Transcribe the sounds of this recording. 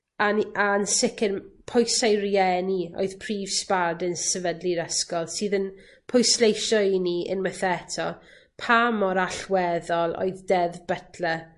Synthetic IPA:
anansɪkɪnpʰɔjsajɾiɛnio̰ɨð̥pʰriːv̥spadənsəvədliɾəskɔlˠsɨːðən | pʰɔjslejʃɔiniʔə̰nwɛθɛtʰɔ | pʰamɔɾaɬwɛðɔlˠo̰ɨðdɛðbətʰlɛ

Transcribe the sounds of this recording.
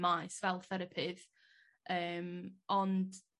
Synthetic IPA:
majsvɛlˠθɛɾəpʰɪð | əːmɔnd̥

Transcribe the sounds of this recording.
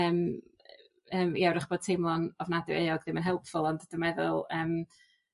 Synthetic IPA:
əːm | əːmḭɛwɾɪχb̥oːd̥̚tʰejmlˠɔnɔvnadɛwḛjɔɡðɪmənɦɛlˠpfʊlˠɔndd̥əmɛðʊ̰lˠəːm

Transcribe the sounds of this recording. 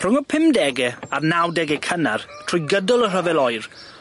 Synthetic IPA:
rʊŋɔpʰɪmdɛɡɛarnawdɛɡɛkʰənartʰrʊjɡədʊlˠər̥əvɛlɔjr

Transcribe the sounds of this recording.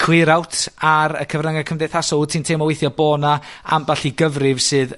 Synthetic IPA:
kʰw̥ɪɾawtʰaɾə̰kʰəvraŋakʰəmdɛθasɔtʰintʰeːmɔwejθjɔbɔːnaa̰mbaɬiɡəvrɪv̥sɨːð

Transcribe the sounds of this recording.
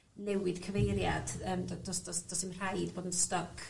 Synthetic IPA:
nɛwɪd̥kʰəvejɾjad̥əːmdɔdɔsd̥ɔsd̥ɔsɪmr̥ajdboːdən̩stɔkʰ

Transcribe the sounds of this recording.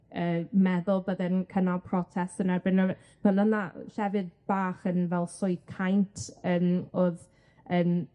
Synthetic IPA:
əːmɛðʊlˠbədɛnkʰənapʰrɔtʰɛstənarbɪnɔ | v̥ɛnəna̰ɬɛvɨd̚b̥aːχənvɛlˠsʊɨθkʰajntʰəːmoːð | əːn

